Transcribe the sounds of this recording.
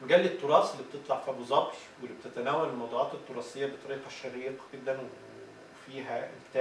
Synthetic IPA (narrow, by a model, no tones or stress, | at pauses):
mæɡælːet̪ːoɾˤɑːselːiːbet̪et̪ˤlɑʕfibozˤɑbt̪ | welːibet̪et̪ænæːwælelmɑwd̪ˤuːʕɑːt̪et̪ˤːoɾˤɑːsejːæbet̪ˤɑɾiːqɑʃːæɾit̪ɑ̥ɡ̥ed̪ːænwee | fiːɦæelt̪ːæ